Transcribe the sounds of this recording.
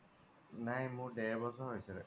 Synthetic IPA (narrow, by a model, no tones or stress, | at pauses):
najmʊɹdɛɹbɔsɔɹɦojsɛɾɛ